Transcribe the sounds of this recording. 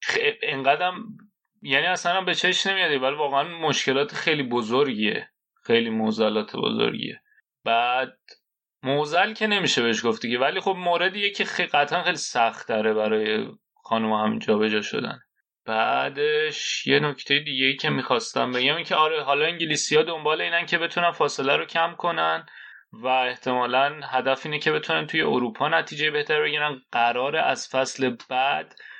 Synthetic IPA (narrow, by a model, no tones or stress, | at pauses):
eeŋɢæd̪æm | jæniæsænæmbe̞t͡ʃʰe̞ʃne̞mijɒd̪ivælivɒːɣeænmo̞ʃce̞lɒːt̪ʰexejliːbozoɾɟiḛ | xe̞jliːmozælɒːt̪ʰḛbo̰zo̰ɾɟḭḛ | b̥æd̪̥̚ | mozælcʰe̞ne̞miːʃebe̞eʃɡoft̪icevæliːxo̞bmoːɾe̞d̪ijecʰixeɡæt̪ʰʔænxejlisæxt̪ʰæɾe̞bæɾɒːje̞̰ | xɒːnumhæmḭnd͡ʒɒːbe̞d͡ʒɒːʃo̰d̪æ̰n | b̥æːd̪eʃje̞no̞cʰt̪ʰe̞jed̪iːɟe̞jiːcʰe̞miːxɒːst̪æmbe̞ɟæmincʰeɒːɾeɦɒːlɒiŋɲɟeliːsijɒːd̪ombɒːle̞iːnæncʰe̞be̞t̪ʰunænfɒːse̞læɾocʰæmkʰo̞næn | væeht̪ʰe̞mɒːlænhæd̪æfiːnecʰe̞be̞t̪ʰunænt̪ʰuje̞oɾuːpʰɒːnæt̪ʰiːd͡ʒejbe̞ht̪ʰæɾbe̞ɟiːɾænɢ̥æɾɒːɾeʔæz̥fæsle̞b̥æd̪̥